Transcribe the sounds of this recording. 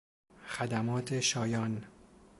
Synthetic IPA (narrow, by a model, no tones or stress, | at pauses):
xæd̪æmɒːt̪ʰeʃɒːjɒːn